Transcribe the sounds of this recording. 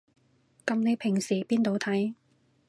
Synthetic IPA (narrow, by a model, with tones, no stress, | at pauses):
kɐ˧mne˨˧jpʰɪ˨˩ŋsiː˨˩piː˥nt̪o˨˧wt̪ʰɐ˨˥j